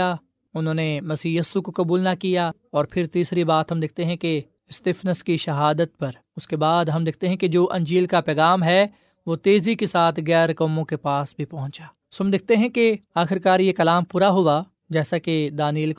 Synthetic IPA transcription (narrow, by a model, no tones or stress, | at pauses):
a | ʊnɦõːnemɐsiːjiːsukokɐbuːlnakija | ɔːɾpʰɪɾt̪iːsɾibaːt̪ɦɐmd̪ɪk̚ʰt̪eɦɛ̃ke | ɪst̪ɪːfnəskiʃɐɦaːd̪ət̪̚pɐɾ | ʊskebaːd̪ɦɐ̃md̪ɪk̚ʰt̪eɦɛ̃ked͡ʒoːʔɐ̃ɲd͡ʒiːlkapɛːɣaːmɦɛ | ʋoːt̪eːzikesaːt̪ʰɣɛːɾkɔːmõkepaːsbʱipɐ̃ɦʊ̃t͡ʃaː | soɦɐmd̪ɪkʰt̪eɦɛ̃keaːxɪɾkaːɾjekɐlaːmpuːɾaɦʊa | d͡ʒɛːsaked̪aːniːlk